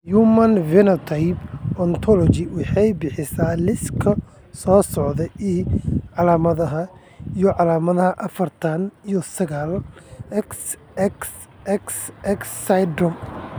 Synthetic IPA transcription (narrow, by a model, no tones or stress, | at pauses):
jumɐnvɛnɔt̪ʰajbɔnt̪ʰɔlɔt͡ʃɪwɑħɑjbɪħɪsaːlɪskʰɐ | sɔːsɔʕðɛʔiʕɑlaːmɐðɐɦɐ | ijɔʕɑlaːmɐðɐhɐʔɐfɐrt̪ʰɐnijɔsɐɣaːlɛks | ɛks | ɛksɛksajd̪rɔm